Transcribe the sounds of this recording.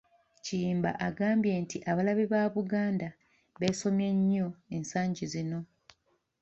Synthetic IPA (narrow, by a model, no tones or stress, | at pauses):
ciːmba̰ʔaɡaːmbje̞ːntiʔaβalaβiβaːβuɡaːnda | βe̞ːso̞mjeɲːo̞e̞nsaːɲɟizino̞